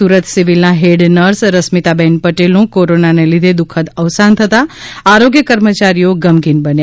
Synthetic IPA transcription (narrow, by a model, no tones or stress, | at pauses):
uɾət̪siʋilnaɦeɖnəɾsɾəsmit̪abɛnpəʈelũkoɾonanelid̪ʱed̪ukʰət̪əʋsant̪ʰət̪aaɾoɡjəkəɾmət͡ʃaɾijoɡəmɡinbənja